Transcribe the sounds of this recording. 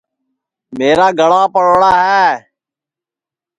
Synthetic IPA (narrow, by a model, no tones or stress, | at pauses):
meːɾaːɡʱəɭaːpəɽɽaːɦɛː